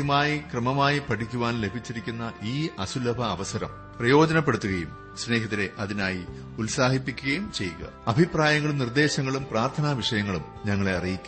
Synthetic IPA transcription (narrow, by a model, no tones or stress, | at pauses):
maːjikrɐmɐmaːjipɐʈʰikʲːuʋaːnle̞bʱit͡ɕːiɾikʲːunːɐʔiːɐsulɐbʱɐːʋɐsɐɾɐ̰m | prɐjo̞ːd͡ʑɐnɐpːeɽut̪ːuɣɐjum | sne̞ːɦɐt̪ːine̞ʔɐðinaːji | ulsaːhipːikʲːuɣɐjumt͡ɕe̞jːuɣɐ̰ɐbʱipraːjɐŋːɐɭumnird̪e̞ːɕɐŋːɐɭumpraːrt̪ʰɐnaʋiʂɐjɐŋːɐɭum | ɲɐŋːɐɭeɐrijikʲːu